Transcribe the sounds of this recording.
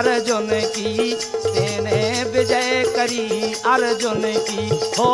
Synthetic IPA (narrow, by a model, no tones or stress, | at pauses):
ɾd͡ʒoneki | t̪eːnẽbed͡ʒaekəɾiːaɾd͡ʒonekiɦo